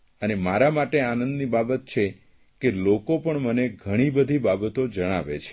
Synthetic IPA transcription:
ənemaɾamaʈeanənd̪nibabət̪̚t͡ʃʰe | kelokopəɳməneɡʱəɽ̃ibəd̪ʱibabət̪od͡ʒəɽ̃aʋḛt͡ʃʰe̥

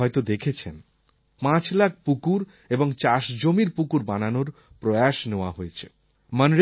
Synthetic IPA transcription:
ɔjt̪od̪ekʰet͡ɕʰen | pãt͡ɕlak̚ʰpukuɾ | eboŋt͡ɕaʃd͡ʑomiɾpukuɾbananoɾ | pɾoeaʃneoaɦoet͡ɕʰe̥ | mənɾ

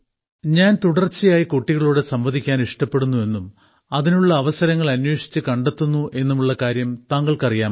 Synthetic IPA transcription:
ɲaːnt̪uɽɐrt͡ɕːijaːjikuʈːiɣɐɭuːɽe̞sɐmbɐðʱikʲːaːniʂʈɐpːe̞ɽunːue̞nːum | ɐðinuɭːɐːʋɐsɐɾɐŋːɐɭɐnwe̞ːʂi̥t͡ɕːɨkɐɳɖet̪ːunːuʔe̞nːumuɭːɐkaːɾjɐmt̪aːŋɡɐɭkɐrijaːm

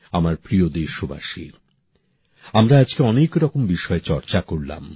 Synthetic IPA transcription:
amaɾpɾiod̪eʃobʱa̰ʃḭɾ | amɾaad͡ʑkeɔnekɾɔkombiʃɔet͡ɕɔɾt͡ɕakoɾla̰m

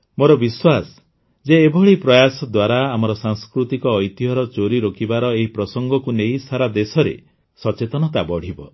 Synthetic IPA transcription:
moɾɔbiswas | d͡ʒeːbʱɔɭipɾɔjasɔd̪waɾaːmɔɾɔsaŋskɾut̪ikɔːjt̪iɦɔɾɔt͡ʃoɾiɾokʰibaɾɔeɦipɾɔsɔŋɡɔkuneisaɾad̪esɔɾḛ | sɔt͡ʃet̪ɔnɔt̪abɔɽ̤ibɔ

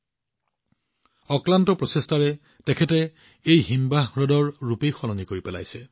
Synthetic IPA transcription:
ɔklantɔpɹɔsestaɹɛ | tɛkʰɛtɛ | ejɦimbaɦɹɔdɔɹɹupejxɔlɔŋɡikoɹipɛla̰jsɛ

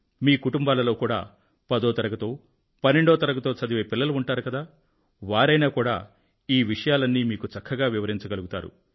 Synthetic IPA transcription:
miːkuʈumbaːlɐlo̞ːkuːɽa̰ː | pɐd̪ɔːt̪ɐɾɐɡɐt̪o̞ː | pɐnːeɳɖɔːt̪ɐɾɐkɐt̪o̞ːt͡ʃɐd̪iʋeːpilːɐluuɳʈaːɾukɐd̪aː | ʋaːɾɐjnaːkuːɽa̰ː | iːʋiʂɐjaːlɐnːimiːkut͡ʃɐkʰːɐɡaːʋiʋɐɾiɲt͡ʃɐɡɐluɡut̪aːɾṵ

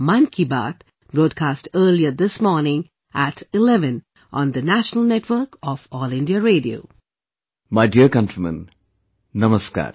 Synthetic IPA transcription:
mãnkʰiba̰ːt̪ | b̥ɾoːd̚kʰaːsʈəːliəd̪ɪsmɔːɾnɪ̃ŋ | ʔæʈʰɪlɛʋə̃n | ʔɔ̃nd̪ənæʃənəl̩ˠnɛʈʰʋəɾkɔfɔːlɪ̃ndiəɾeːɖio̰ː | maɪɖiəɾkʌ̃ntɾimə̰̃n | nʌməska̰ːɾ

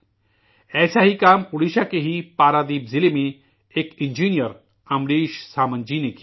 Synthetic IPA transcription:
ɛːsaɦikaːmpuɽiʃakeɦipaːɾad̪iːpzilemẽ | ekind͡ʒiːnijəɾ | ɐmɽiːʃsaːmə̃nd͡ʒinek

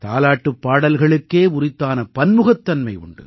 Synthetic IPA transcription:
t̪a̰ːlaːʈːɯpːaːɽɐlɣɐɭɯkːeːʊrɪt̪ːaːnɐpɐnmɯɣɐt̪ːɐnmɐɪʊ̰ɳɖɯ̰

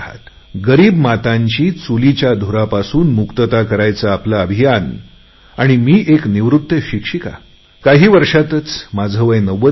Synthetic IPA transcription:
ɦa̰t̪ | ɡəɾiːbmat̪ãɲt͡ɕiːt͡sulit͡ɕjad̪ʱoɾapasuːnmukt̪ət̪akəɾajt͡saːplaəbʱijan | aɽ̃imiːʔekniʋɾut̪ːəɕikʂika̰ | kaɦiːʋəɾʂat̪ət͡smad͡zʱəʋəjnəʋə

